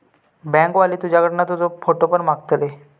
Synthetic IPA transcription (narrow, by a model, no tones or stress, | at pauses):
bɛ̃ŋkʋaliːt̪ud͡ʑʱakəʈnat̪ud͡zofoʈopəɳmaɡt̪le